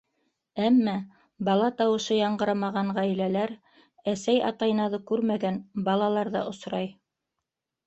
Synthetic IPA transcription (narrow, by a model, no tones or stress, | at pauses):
æmːæ | bɑlˠɑt̪ɑwɤ̆ʃɤjɑɴɢɤ̆ɾɑmɑʁɑɴʁæjlælæɾ | æsæjɑ̰t̪ɑjɤ̆nɑðɤkʉɾmæɡænbɑlˠɑlˠɑɾðɑ̰ʔŏsɾɑj